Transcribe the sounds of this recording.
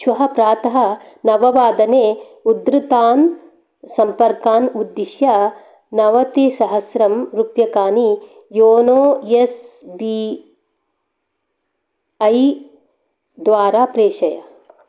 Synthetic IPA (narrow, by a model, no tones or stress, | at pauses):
ʃʋɐɦɐpɾaːt̪ɐɦɐ | nɐʋɐʋaːd̪ɐneː | ud̪ɾɨt̪aːn | sɐmpɐɾkaːnud̪ːiʃjɐ | nɐʋɐt̪isɐɦɐsɾɐmɾupjɐkaːni | joːnoːjesbi | ɐj | d̪ʋaːɾaːpɾeːʃɐjɐ̰